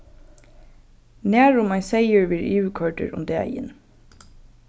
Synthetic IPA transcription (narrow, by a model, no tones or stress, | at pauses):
næːɹʊmɑɪseɪəɹʋɪɹjʉːkʰɑɹʈə̰ɹʊ̰md̪eːæ̰ɪɪ̰n